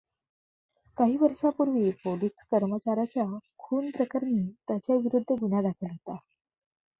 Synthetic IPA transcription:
kaɦiːʋəɾʂapuɾʋiːpoliskəɾmət͡ɕaɾat͡ɕjakʰuːnpɾəkaɾniːt̪jat͡ɕjaʋiɾud̪ʱːəɡun̤ad̪akʰəlɦot̪a

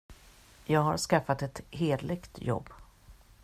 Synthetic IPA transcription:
jɑːɡɦaɾʂkafːat̪ɛt̪heːd̪lɪɡt̪jɔ̰bː

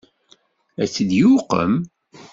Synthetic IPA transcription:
æt͡sːid̪juqə̰m

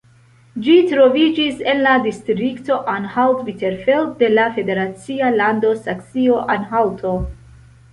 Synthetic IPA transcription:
d͡ʒitɾo̞vid͡ʒise̞nladistɾikto̞ʔanhaltviteɾfeldde̞lafe̞de̞ɾat͡sialando̞saksio̞ʔanɦawtʰo̞

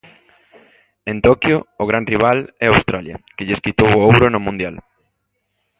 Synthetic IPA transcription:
ẽnt̪okjoːɣ̞ɾanriβ̞alɛawst̪ɾaljɐ̰kɪʎeskit̪owowɾʊnʊmũnd̪jal

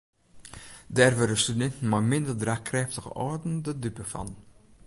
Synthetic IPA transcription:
dɛːrvəɾəstydɛntn̩mamɪndərdraːkrɛːftəɣə̰ʔɔːdəndədypəfɑ̰n

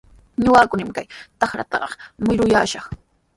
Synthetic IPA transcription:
ɲʊɢaːkʊnamkajt̪ɑxɾa̰t̪ɑ̰ɢɑmʊjɾʊjaːʃɑχ

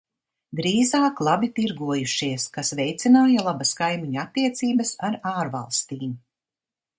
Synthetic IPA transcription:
ɡɾiːzaːklˠabit̪iɾɡuɔjuʃiɛskasvɛjt̪sinaːjalˠabɐskajmiɲuat̪ːiɛt̪siːbɐsaɾaːɾva̰lˠst̪iːm

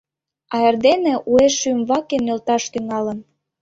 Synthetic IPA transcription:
ɑerd̪enĕʔueʃymβɑkenelt̪ɑʃt̪yŋɑlə̆n

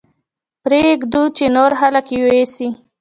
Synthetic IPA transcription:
pɾeɡd̪ut͡ʃenoɾɦaləkewesi

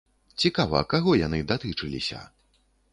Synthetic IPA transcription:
t͡sʲikavɐ̰kaɣɔjanɨd̪at̪ɨt͡ʂɨlʲḭsʲɐ̰

